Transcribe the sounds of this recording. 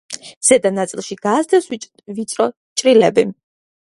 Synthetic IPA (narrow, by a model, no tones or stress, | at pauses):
z̥ɛd̪anat̪sʼilˠʃiɡ̥aːsd̪ɛs | vit̪sʼɾɔ | t͡ʃʼɾilɛbi